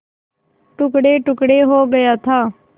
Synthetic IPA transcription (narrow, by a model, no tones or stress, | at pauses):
ʈʊkɽeːʈʊkɽeːɦoːɡəjaːt̪ʰaː